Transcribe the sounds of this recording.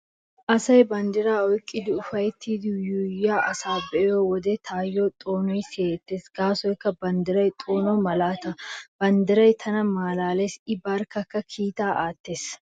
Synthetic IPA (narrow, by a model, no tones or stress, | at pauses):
ʔɐsɐjbɐnd̪ɪɾaːɔkʼːɪd̪ɪʊfɐjt̪ːid̪juːjːaːʔɐsaːbɛjoːwɔd̪et̪ʰaːjːoːt̪ʼoːnɔjseːt̪ːeːsɡ̥aːsɔjkːɐbɐnd̪ɪɾɐjt̪ʼoːnɔːmɐlaːt̪ɐb̥ɐnd̪ɪɾɐjt̪ʰɐnɐmaːlaːlesɪbɐɾkːɐkːɐkʰiːt̪aːʔaːt̪ːeːs